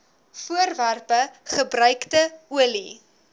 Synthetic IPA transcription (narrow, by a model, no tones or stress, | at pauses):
fuərværpəχəbɾœɥktəuəli